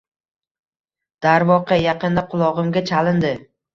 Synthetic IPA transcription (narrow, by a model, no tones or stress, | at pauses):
d̪̥aɾvɒqʰɑjaqɨnd̪aqʰʊlˠɒʁɨmɡʲat͡ʃʰalɪnd̪ɪ